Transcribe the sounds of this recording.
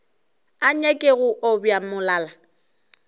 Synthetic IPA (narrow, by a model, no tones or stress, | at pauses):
aɲekʼeɣʊʔɔbjamʊlaːla